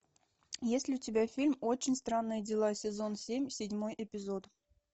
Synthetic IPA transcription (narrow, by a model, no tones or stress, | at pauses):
jesʲlʲɪʊtʲɪbʲafʲilʲmot͡ɕːɪnʲst̪ɾanːɨjədʲɪlˠasʲɪzo̞nsʲemʲsʲɪdʲmo̞jʔɪpʲɪzot̪